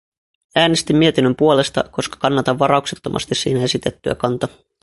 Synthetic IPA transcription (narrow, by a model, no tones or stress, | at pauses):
æːne̞st̪imːie̞t̪inːømpuo̞le̞st̪ɑ̰ko̞skɑ̥kɑnːɑt̪ɑʋːɑɾɑukset̪ːo̞mʔɑ̰st̪issḭːnæe̞sit̪e̞t̪ːyæ̰kɑnt̪ɑ